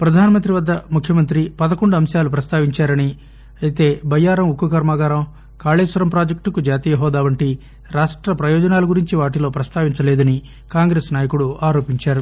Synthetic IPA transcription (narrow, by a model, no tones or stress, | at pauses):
pɾɐd̪ʱaːnɐmɐnt̪ɾiʋɐd̪ːɐmukʰjɐmɐnt̪ɾipɐd̪ɐkoɳɖuɐmʃaːlupɾɐst̪ʰaːʋiɲt͡ʃaːɾɐni | ɐit̪e̞ːbɐjaːɾɐmukːukɐɾmaːɡaːɾɐm | kaːɭeːsʋɐɾɐmpɾaːd͡ʒɐk̚ʈukud͡ʒaːt̪iːjɐɦɔːd̪aːʋɐɳʈi | ɾaːʂʈɾɐpɾɐjɔːd͡ʒɐnaːlɐɡuɾiɲt͡ʃiʋaːʈilo̞ːpɾɐst̪ʰaːʋiɲt͡ʃɐleːd̪ɐni | kaːŋɡɾeːsnaːjɐkuɽuaːɾo̞ːpiɲt͡ʃaːɾu